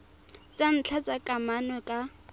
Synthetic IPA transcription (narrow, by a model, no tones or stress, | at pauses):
t͡sʼan̩t͡ɬʰat͡sʼakʼamanɔkʼa